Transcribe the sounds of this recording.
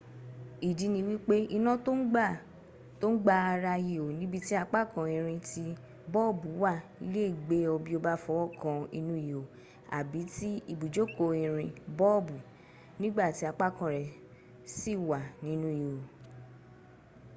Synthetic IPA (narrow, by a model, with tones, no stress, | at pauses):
i˨d͡ʒi˧˦nĩ˧wi˦k͡pe˦i˧nã˦to˦ɡ͡ba˦˨ | to˦ɡ͡ba˧a˧ɾa˧ji˨o˨nĩ˨˦bi˧˦ti˦a˧k͡pa˦kã˨ĩ˨ɾ̃ĩ˧ti˧ | bɔ˦˨bu˨˦wa˦˨i˧˦le˦˨ɡ͡be˨˦o˧bi˦o˧ba˦fɔ˧wɔ˦kã˨˧i˧nũ˧˦i˨o˨ | a̰˨bi˨˦ti˦i˧bu˨d͡ʒo˦ko˧ĩ˨ɾ̃ĩ˧bɔ˦˨bu˨ | nĩ˦ɡ͡ba˦˨ti˨˦a˧k͡pa˦˨kã˨ɾɛ˨ | si˦˨wa˨nĩ˦nũ˦i˨o˨